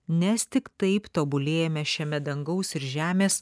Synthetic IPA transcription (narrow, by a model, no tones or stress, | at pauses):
nʲɛst̪ʲɪkt̪ɐɪpt̪oːbʊlʲeːjɛmʲɛʃʲɛmʲɛd̪ɐŋɡɐʊsɪɾʒʲæːmʲeːs